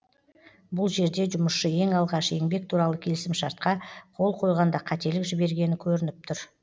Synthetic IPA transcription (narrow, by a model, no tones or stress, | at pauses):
bʊlˠʒe̞ɾd̪e̞ʒʊməsʃəe̞ŋɑlˠʁɑʃe̞ŋbe̞k̚t̪ʰuɾɑlˠəkʲʰe̞lɪsɪmʃɑɾt̪̚qɑqʰo̞lˠqʰo̞jʁɑnd̪ɑqʰɑt̪e̞lɪkʒɪbe̞ɾɡʲe̞nɪkʲʰɵɾɪnɪp̚t̪ʰʊɾ